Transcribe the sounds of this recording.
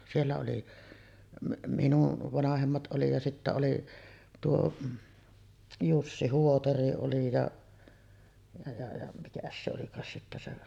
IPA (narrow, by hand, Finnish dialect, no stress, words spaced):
sielːæ oli minuʋ ʋɑnɑhemːɑt oli jɑ sitːæ oli tuo jusːi huotɑri oli jɑ jɑ jɑ jɑ mikæs se olikɑːs sitːæ se